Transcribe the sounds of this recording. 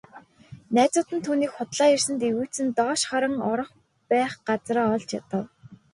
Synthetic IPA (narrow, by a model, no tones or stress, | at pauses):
næːt͡sʊːt̪ɘ̆nt̪ʰuːniːkχʊt̪ɮaːjirsɘ̆nt̪eɣuːt͡sɘ̆nt̪ɔːʃχaɾə̆ŋɔɾɞ̆χ | pæːχɢat͡sraːɔɮt͡ɕjat̪ə̆w